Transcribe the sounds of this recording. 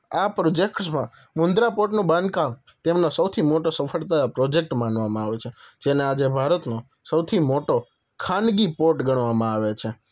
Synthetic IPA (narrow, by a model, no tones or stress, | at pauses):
apɾod͡ʒekʈsmã | mund̪ɾapoɾʈnũbãnd̪kam | t̪emnosəwt̪ʰimoʈosəfʰəɭt̪ajapɾɔd͡ʒek̚ʈmanʋamãaʋet͡ʃʰed͡ʒenead͡ʒebʱaɾət̪no | səwt̪ʰimoʈo | kʰanɡipoʈɡəɳʋamãaʋet͡ʃʰe